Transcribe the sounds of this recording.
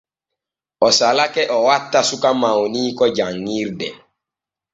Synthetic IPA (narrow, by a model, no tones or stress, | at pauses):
ɔsalakɛʔɔwatːasukamawniːkɔd͡ʒaŋːiɾdɛ̰